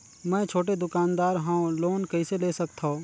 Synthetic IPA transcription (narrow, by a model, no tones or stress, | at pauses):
mɛ̃ːt͡ʃʰoːʈ̬ed̪ʊkaːnd̪aːɾɦãːũloːnkɐiseleːsɐk̚t̪ʰo